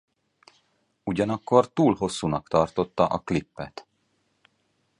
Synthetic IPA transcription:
uɟɒnɒkːo̞rt̪uːlɦo̞sːuːnɒkt̪ɒrt̪o̞t̪ːɒʔɒklipːɛt̪

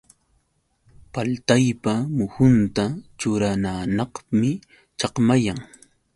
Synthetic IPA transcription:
palt̪ajpamʊhʊnt̪at͡ʃʊɾananɑχmɪ | t͡ʃɑqmajaŋ

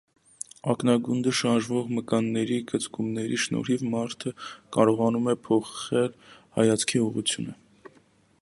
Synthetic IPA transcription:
ɑknɑɡund̪əʃɑɾʒvɔʁməkɑnːɛɾiɡət͡skumnɛɾiʃnɔ̰ɾivmɑɾt̪ʰəkɑɾɔʁɑnumɛpʰɔχɛlhɑ̰jɑt͡sʰkʰiuʁut͡sʰjṵnə

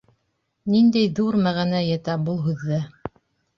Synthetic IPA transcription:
nind̪æjðuɾmæʁænæjæt̪æbulˠɦʉðːɘ

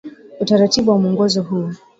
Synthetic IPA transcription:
utaɾatiɓuwamuɔŋɡɔzɔɦuː

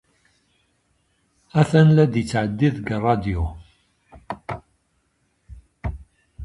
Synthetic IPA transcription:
æθænlæd̪jit͡sːʕəd̪ːiðɡrˤːɑd̪iu

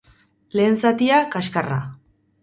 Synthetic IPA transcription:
le̞ːnsat̪iakaskara̰

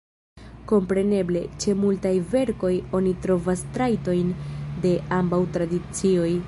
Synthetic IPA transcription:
ko̞mpɾe̞ne̞ble̞t͡ʃe̞multajve̞ɾko̞jo̞nitɾo̞vastɾajto̞jnde̞ʔambawtɾadit͡sio̞j

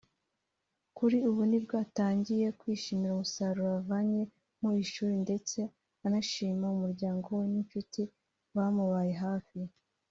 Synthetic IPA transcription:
kuɾiuβunibɡaːtaːɲɟije̞kwiːʃimiɾaumusaɾuɾavaɲe̞ | muiʃuːɾinde̞t͡se̞ | anaʃiːmaumuɾɟaːŋɡo̞weniɱfiti | wamuβaje̞ɦaːfi

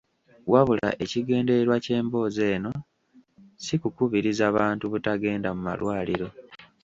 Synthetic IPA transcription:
waβula̰ʔe̞ciɡe̞ːnde̞ɾwace̞ːmbo̞ːze̞ːno̞ | sikukuβiɾizaβaːntuβutaɡe̞ːndamuma̰lwʔaːliɾo̞

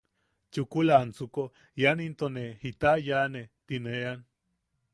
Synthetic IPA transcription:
t͡ʃukulant͡suko | janint̪onehit̪ajanet̪inean

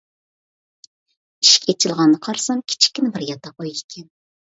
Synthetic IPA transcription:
iʃi̥kʲʰet͡ʃʰilˠʁɑnːɨqʰɑɾsɑmkʲʰi̥t͡ʃʰi̥kʲːinɪbɪɾjɑt̪ʰːɑqojikʲʰɛn

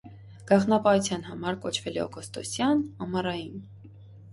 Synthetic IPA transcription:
ɡ̥ɑχnɑpɑut͡sʰjɑnhɑmɑɾkɔt͡ʃʰvɛlɛ̰ɔ̰ɡɔst̪ɔ̰sjɑnɑmɑrɑjin

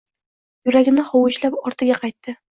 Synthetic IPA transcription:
jʊɾaɡʲɪnɪhɒwɪʃlapɒɾt̪ʰɪɡʲaqʰɑjt̪ʰːɪ

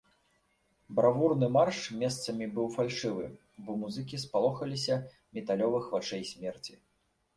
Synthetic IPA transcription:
bɾavurnɨmarʂmʲɛst̪sɐmʲibɨwfalʲʂɨvɨ | bɔmuzɨk̬ʲispalˠɔxɐlʲisʲɐ | mʲɛt̪alʲɔvɨxvat͡ʂɛjsʲmʲɛrt͡sʲi

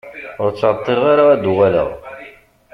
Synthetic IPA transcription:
ʊɾt͡sːt̪ˤːeɾʁaɾaæd̪uʁælə̰ʁ

